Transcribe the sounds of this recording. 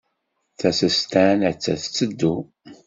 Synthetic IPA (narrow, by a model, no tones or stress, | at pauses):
θæsəst̪ænæt͡sːæ̰θt͡sːəd̪ːu